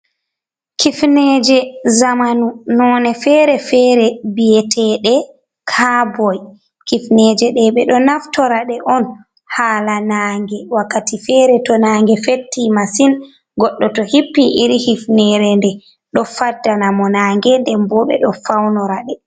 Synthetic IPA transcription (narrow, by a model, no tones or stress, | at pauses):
kifnɛd͡ʒɛzamanunɔːnɛfɛːɾɛfɛɾɛbijɛtʰɛɗɛ | kʰabɔj | kifnɛd͡ʒɛɗɛɓɛɗɔnaftɔɾaɗɛʔɔn | haːlanaŋɡɛwakːatifɛɾɛtɔnaːŋɡɛfetːimasin | ɡɔɗːɔtɔhipːiʔiɾihifnɛɾɛndɛ | ɗɔfadːanamɔnaːŋɡɛndɛmbɔɓɛ̰ɗɔfawnɔɾaɗɛ